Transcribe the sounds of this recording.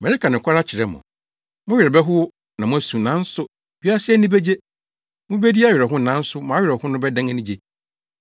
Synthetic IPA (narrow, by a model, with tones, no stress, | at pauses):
mɛ˨ɾi˦ka˨nɪ̃˨kʰʷa˦ɾa˦t͡ɕʰɪ˨ɾɛ˦mʊ̰̃˨ | mʊ̃˦ɥᶣɪ˨ɾɛ˨bɛ˦ɦʊ˦ | nã˨mʊ̃˦æ˦˨sũ˨nã˦n̩˦sʊ˦ | bi˦a˦sɪ˦ɛ˦nĩ˦be˦d͡ʑe˦ | mʊ̃˦be˦di˦a˦ɥɪ˨ɛ˨ɦʊ̃˦˨nã˦n̩˦sʊ˦mã˨a˦ɥᶣɪ˨ɾɛ˨hʊ̃˦nʊ̃˦bɛ˦dã˦ŋɛ˦nĩ˦d͡ʑe˦